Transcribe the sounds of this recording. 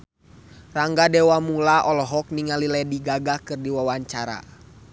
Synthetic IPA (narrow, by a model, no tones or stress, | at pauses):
raŋɡadɛwamulaʔɔlɔɦɔk̚niŋalilɛdiɡaɡakɨrdiwawaɲt͡ʃaɾa̰